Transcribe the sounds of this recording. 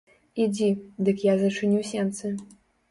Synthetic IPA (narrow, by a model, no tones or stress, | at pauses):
id͡zʲid̪ɨkjazɐt͡ʂɨnʲuwsʲɛnt̪sɐ